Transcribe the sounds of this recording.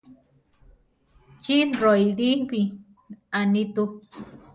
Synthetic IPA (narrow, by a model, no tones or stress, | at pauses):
t͡ʃiɾojɾipi | anit̪u